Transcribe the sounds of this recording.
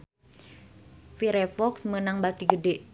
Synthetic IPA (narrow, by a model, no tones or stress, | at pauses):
fiɾɛfɔksmənaŋbat̪iɡədɛʔ